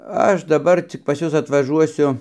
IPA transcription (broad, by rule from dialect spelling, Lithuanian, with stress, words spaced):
ˈɐʃ dɐˈbɐr ˈt͡sʲɪk pɐs ˈjʊs ɐtʋɐˈʒuɔsʲʊ